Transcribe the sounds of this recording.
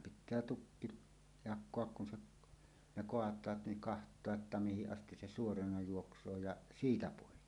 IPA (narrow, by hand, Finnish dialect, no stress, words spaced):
pitˑæː tukːi jɑkˑoɑk kun se ne koɑtˑɑːt niŋ kɑhtˑoɑʔ ʔetːæ mihiʔ ʔɑstis se suorɑnɑ juoksˑoː jɑ siːtæ poˑikːi